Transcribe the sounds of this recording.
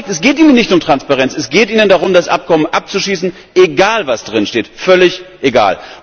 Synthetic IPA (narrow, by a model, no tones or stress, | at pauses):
k̚tɛsɡ̥eːtiːnənːɪçtʊmtʁ̥anspaʁɛnt͡sɛsɡ̥eːtʔiːnəndaʁ̞ʊmdasʔa̰p̚kɔmənʔa̰p̚t͡suʃiːsn̩ | ʔeɡaːlvasd̥ʁɪnʃteːtfœlɪçʔeɡa̰ːl